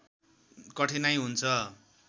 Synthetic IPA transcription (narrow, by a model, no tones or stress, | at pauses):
kʌʈʰinajɦunt͡sʰʌ